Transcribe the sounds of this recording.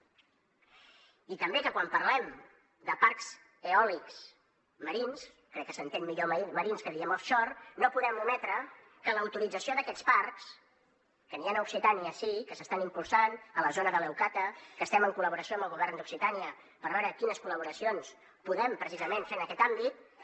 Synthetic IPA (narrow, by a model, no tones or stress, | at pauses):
it̪əmbekəkwampərlɛm | d̪əparks | eɔliks | məɾins | kɾɛkːəsənt̪enmiʎoməɾinskəðiɛmɔfʃɔrnopuðɛmumɛt̪ɾə | kələwt̪uɾid͡zəsioðəkɛt͡sparks | kənianəuksit̪aniəsikəsəst̪animpulˠsanələzonəðəlɛwkat̪əkəst̪ɛməŋkuləβuɾəsioəmbəlˠɣuβɛrnd̪uksit̪aniə | pəɾβɛɾəkinəskuləβ̞uɾəsions | puðɛmpɾəsizəmenfenəkɛt̪ambit̪̚